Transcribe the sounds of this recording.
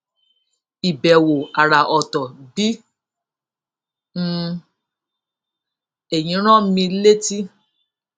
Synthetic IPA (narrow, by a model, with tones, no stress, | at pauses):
i˨bɛ˨wo˨a˨ɾa˨ʔɔ˨tɔ˨bi˨˦˧ | e˦˨j̃ĩ˨˦ɾ̃ɔ̃˦mĩ˧le˦ti˦